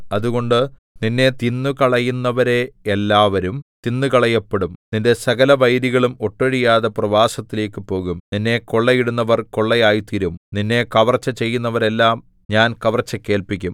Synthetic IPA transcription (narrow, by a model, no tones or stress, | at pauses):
ɐðuɣo̞ɳɖɨ | ninːe̞t̪inːukɐɭɐjunːɐʋɐɾe̞ːlːaːʋɐɾumt̪inːukɐɭɐjːɐpːeɽumninde̞sɐɣɐlɐʋɐjɾiɣɐɭumo̞ʈːɐɽijaːðɐprɐʋaːsɐt̪ːile̞ːkːɨpo̞ːɣumninːe̞ko̞ɭːɐjiɽunːɐʋɐrko̞ɭːɐjaːjit̪iɾumninːe̞kɐʋɐrt͡ɕːɐt͡ɕe̞jːunːɐʋɐɾe̞lːaːm | ɲaːnkɐʋɐrt͡ɕːɐkːe̞ːlpikʲːum